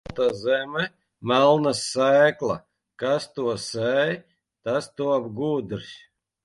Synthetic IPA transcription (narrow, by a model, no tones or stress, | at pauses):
t̪azɛmɛ | mælˠnasːæːklˠa̰ | kast̪uɔsɛj | t̪ast̪uɔabɡuːd̪ɾsʲ